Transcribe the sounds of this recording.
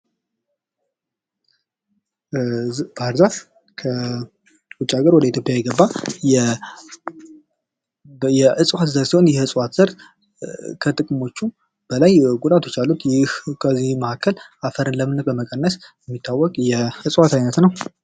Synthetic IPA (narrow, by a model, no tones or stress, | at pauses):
b̥ɾzaf | kʰə | wut͡ʃʼːaɡəɾwɔd̪əit̪jo̞pʼjajɛɡəbːajɛ | jɛʔɨsʼwat̪zəɾsiho̞njɛhɨsʼwat̪z̥əɾt̪ | kʰət̪ʼɨkʼɨmo̞t͡ʃːu | b̥əlajɡud̪ʼat̪ʰjɛt͡ʃːalːut̪jɛkʰəziməhakʰːəlafəɾɨnləmɨnːət̪̚bəməkʼənːəsjɛmːit̪ʰːawːɔkʼjɛhɨsʼwat̪ʰajnət̪nəw